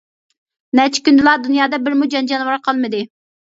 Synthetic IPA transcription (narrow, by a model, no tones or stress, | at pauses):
nɛt͡ʃʰi̥kʲynd̪ɨlˠɑd̪unjɑːd̪ɑbɪɾmud͡ʒɑnd͡ʒɑnwɑɾqʰɑlˠmɨd̪ɨ